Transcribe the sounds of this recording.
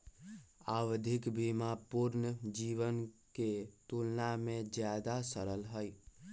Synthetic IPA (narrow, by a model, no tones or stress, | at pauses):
awd̪ʱɪkbimapuɾnəd͡ʒiʋənket̪ulnamẽd͡ʒjad̪asəɾəlɦəj